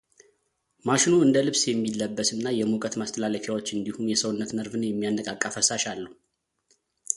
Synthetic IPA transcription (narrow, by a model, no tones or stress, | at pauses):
maʃɪnuɨnd̪əlɨβsjɛmːilːəbːəsɨnːajɛmukʼət̪mast̪ʰəlaləfjawo̞t͡ʃːɨnd̪ihumjɛsəwnːət̪məɾvɨnjɛmːijanːəkʼakʼːəfəsaʃalːəhu